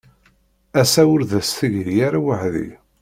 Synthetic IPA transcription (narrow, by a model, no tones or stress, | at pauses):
æsæwʊɾðæsθiʝjaɾawəħðḭ